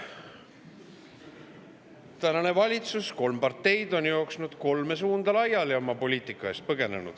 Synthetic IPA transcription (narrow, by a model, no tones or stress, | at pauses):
t̪ænɑne̞vɑlʲit̪susko̞lmpɑrt̪ːe̞jd̪̥o̞njo̞oksnud̪̥ko̞lme̞s̬uːnd̪̥ɑlɑjːɑljɑomɑpo̞lʲiːt̪ˑikːˑɑest̪̚pɤɡe̞nenṵd̪̥